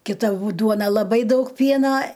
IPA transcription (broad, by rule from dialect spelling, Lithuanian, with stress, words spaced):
kʲɪˈtɐ buː ˈduɔnɐ lˠɐˈbɐɪ ˈdɐʊk ˈpʲiɛnɐ